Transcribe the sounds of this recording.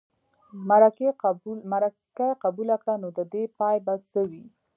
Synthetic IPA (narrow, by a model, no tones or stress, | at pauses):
maɾa | kajqabulakɽanod̪əd̪epɑjbasəwi